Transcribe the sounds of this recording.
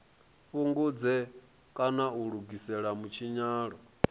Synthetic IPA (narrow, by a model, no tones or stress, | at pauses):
ɸuŋɡud͡zɛ | kʼanauɺuɡisɛɺamut͡ʃʰiɲaːɺɔ